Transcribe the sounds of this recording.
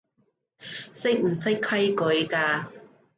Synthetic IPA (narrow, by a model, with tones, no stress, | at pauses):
sɪ˥k̚m̩˨˩sɐ˥jkʰɐ˥jkɵ˨˧˥jkaː˧